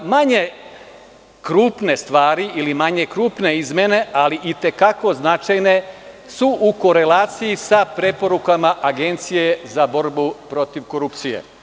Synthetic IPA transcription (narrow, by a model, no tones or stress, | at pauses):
maɲe̞ | kɾuːpne̞st̪ʋaːɾiʔilimaɲe̞kɾuːpne̞izmjene̞aliʔit̪e̞kako̞znat͡ʃajne̞ | suʔuko̞ɾe̞laːt̪sijisapɾe̞po̞ɾukamaʔaɡe̞nt̪sije̞zabo̞ɾbupɾo̞t̪iʋko̞ɾupt̪sije̞̰